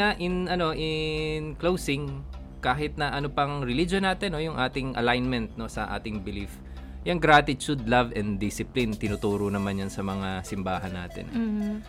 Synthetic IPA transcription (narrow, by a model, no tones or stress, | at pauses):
aʔɪnʔɐno̞ʔɪnklowsɪŋ | kaːɦɪt̪̚nɐʔɐnopɐŋɾɪlid͡ʒonːaːt̪ɛnːojʊŋʔaːt̪ɪŋʔɐ̰lajnmɛnt̪̚no̞sɐʔa̰ːt̪ɪŋbɪlif | jɐŋɡɾaːt̪ɪt̪ud̪lɐvɛnd̪d̪ɪsɪplint̪ɪnʊt̪uːɾonɐmanjɐnsɐmɐŋasɪmbaːɦɐnːa̰ːt̪ɛ̰n